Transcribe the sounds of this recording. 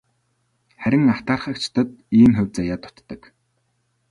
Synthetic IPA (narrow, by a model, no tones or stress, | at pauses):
χæɾʲɪ̆ŋaw̥t̪aːrχə̆k̚t͡ɕt̪ʰə̆t̪̚iːmxʊwʲt͡saːjat̪ʊ̥t̪ːə̆k